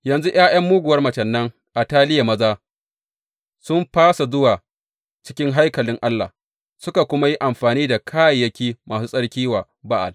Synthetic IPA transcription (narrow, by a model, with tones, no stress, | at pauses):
jɐ˨nzu˦ʔj̰aː˦j̰ɐ˦mːuː˦ɡʷʊ˨wɐ˦rmɐ˨t͡ʃɐ˨nːɐ˦ŋ | ʔa˨taː˦lɪ˦ja˨mɐ˦zaː˦ | sʊ˦mɸaː˦sa˨zʊ˦waː˨ | t͡ʃɪ̥˦kʲɪ˦ŋɦa˦jkɐ˨lɪ˦ŋʔa˦lːa̰˨ | sʊ˦ka˨kʷʊ˦ma˦ji˦ʔa˨mɸaː˨niː˦da˨kʰaː˦ja˨jːɐ˦kʲiː˦mʔaː˨suː˦sʼɐ˦ɽkʲiː˦waː˨ | ba˦ʔa̰˨